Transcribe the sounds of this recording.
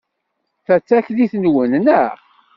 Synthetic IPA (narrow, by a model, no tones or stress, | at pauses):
θæt͡sːæçliθnwənnə